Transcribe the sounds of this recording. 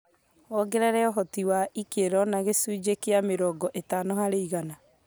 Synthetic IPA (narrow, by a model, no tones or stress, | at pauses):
ɔɡeɾɛɾɛɔɦɔtiwaikeɾɔnaɣesud͡ʒekeameɾɔːɡɔʔetanɔhaɾeiɣana